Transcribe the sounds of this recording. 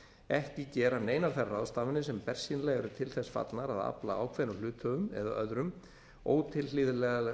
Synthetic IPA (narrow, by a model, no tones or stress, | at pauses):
ɛhcɪcɛːɾaneːjnafɛrrːaðst̪aːvɪnːɪsɛmpɛr̥sinlɛɣɛɾʏt̪ʰɪlθɛsfa̰t̪lnaɾaða̰pla̰a̰ːwkʰvɛnʏlʏːt̪ʰœvʏmɛ̰ðaʔœðɾʏm | oːwt̪ʰɪlliːðɪlɛɣa